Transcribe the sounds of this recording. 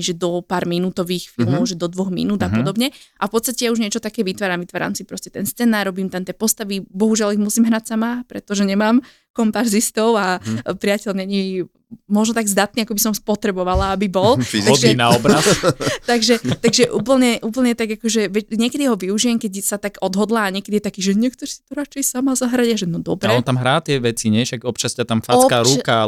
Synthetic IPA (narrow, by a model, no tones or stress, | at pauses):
ʒɛd̪ɔpaːɾminut̪ɔʋiːxfḭlˠmɔʊʒɛd̪ɔd̪ʋɔɣmḭnuːd̪apɔd̪ɔbɲɛʔafpɔt̪st̪acɛjauʒɲɪɛt͡ʃɔt̪akɛːʋit̪ʋaːɾamʋit̪ʋaːɾa̰ːmsipɾɔscɛt̪ɛnst͡sɛnaːɾːɔbimt̪amt̪iɛpɔst̪aʋibɔɦuʒɪaliɣmusiːmɦɾacsamapɾɛt̪ɔʒɛɲɛmaːm | kɔmpaɾzist̪ɔʊapɾɪacɛʎɲɛɲi | mɔʒnɔt̪aɡzd̪at̪niakɔbisɔmspɔt̪ɾɛbɔʋalaabibɔlaɔd̪ɛinaɔbɾast̪aɡʒɛt̪aɡʒɛʔṵːpl̩ɲɛʔuːp̬l̩ɲɛt̪aɡakɔʒɛʋɛɲɪɛkɛd̪iɦɔʋiuʒijɛmkɛɟsat̪aɡɔd̪ɦɔd̪laːɲɛkɛd̪ijɛt̪akiːʒɛɲɛkt̪ɔɾsi̥t̪ɔɾat͡ʃɛjsamazaɦɾaɟaʒɛnɔd̪ɔbɾɛɔnt̪amɦɾaːt̪ɪɛʋɛt͡siɲɛʃaɡɔp̚t͡ʃascat̪amfakaːɾuka